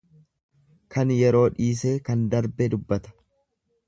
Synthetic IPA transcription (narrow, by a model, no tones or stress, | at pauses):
kʰɐnjɛɾo̞ːᶑiːs̬eːkɐnd̪ɐɾbɛd̪ʊbːɐt̪ɐ̥